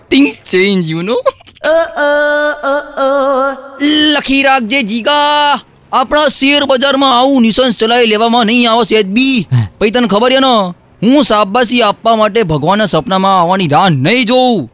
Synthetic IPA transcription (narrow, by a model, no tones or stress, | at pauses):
t̪ɪ̃ŋt͡ʃẽnd͡ʒjuno | ləkʰiɾak̚d͡ʒed͡ʒiɡaː | pɽ̃aseɾbəd͡ʒaɾmãːʋũnisənst͡ʃəlaileʋamãnəĩaʋəset̪̚bipəit̪ənkʰəbəɾjena | ɦũsabːas̬iapʋamaʈ̬ebʱəɡʋanːasəpnamãaʋanid̪anːəĩd͡ʒoũ